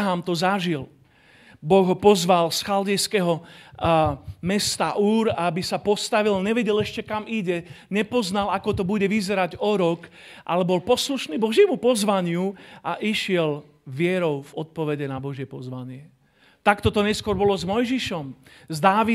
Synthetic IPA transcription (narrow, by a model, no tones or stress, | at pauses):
ɦamt̪ɔzaʒil | bɔɣɦɔpɔzʋalsxaldɛjskɛɦɔ | mɛst̪aʔuːɾabisapɔst̪aʋilɲɛʋɛɟɛlɛʃcɛkamiɟɛɲɛpɔznalakɔt̪ɔbuɟɛʋizɛɾaɟɔɾɔk | ʔa̰lɛbɔlpɔsluʃniːbɔʒɪɛmupɔzʋaɲɪuʔaʔiʃɪɛl | ʋɪɛɾɔʊvɔt̪̚pɔʋɛɟɛnabɔʒɪjɛpɔzʋaɲɪɛ | t̪akt̪ɔt̪ɔɲɛskʊɔɾbɔlɔzmɔjʒiʃɔm | zd̪aːʋi